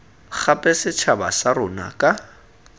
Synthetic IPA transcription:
k͡xʰapʼɛsɪt͡ʃʰabasaɾʊna̰kʼa

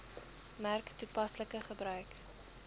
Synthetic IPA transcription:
mærktupɐsləkəχəbrœɥk

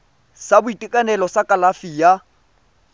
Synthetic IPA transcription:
sabʊitʼikʼanɛlɔsakʼalafija

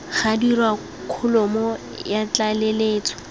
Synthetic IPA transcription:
χadirwa | kʰʊlɔmɔ | jat͡ɬaleleːt͡sʰɔ̥

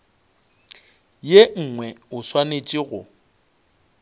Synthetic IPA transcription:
jeŋ̩ŋwɛʊswanet͡ʃʼiɣʊ

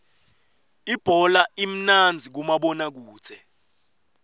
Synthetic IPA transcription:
ib̥ʱɔlaim̩nand͡zʱik̬umaɓɔnak̬u̥ːt͡sʰʼɛ

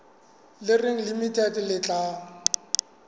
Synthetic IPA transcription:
lɪrɪŋ̩limitʼɛdɪlɪt͡ɬʼa

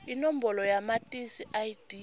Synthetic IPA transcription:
inom̩bɔlɔjamatʼisiʔajd̥i

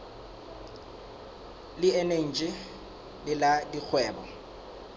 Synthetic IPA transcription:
lɪɛneŋ̩t͡ʃʼɪ | lɪladik͡xʰwɛːbɔ

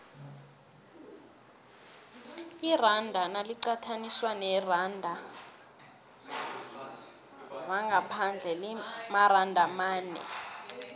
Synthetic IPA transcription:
irandʱanaliǀatʰaniswanɛrandʱa | zaŋɡʱapʰand͡ɮʱɛlimarandʱamaːnɛ̰

